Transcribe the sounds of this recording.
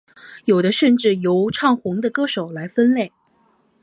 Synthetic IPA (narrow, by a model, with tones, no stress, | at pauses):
jo˨˩ʊd̪ə˦ʂə˥˧nʈ͡ʂɻ̩˥˩jo˧˥ʊʈ͡ʂʰɑ˥˩ŋxʊ˧˥ŋd̪ə˧kɤ˥ʂo˨˩ʊla˧˥ɪfə˥nle˥˩ɪ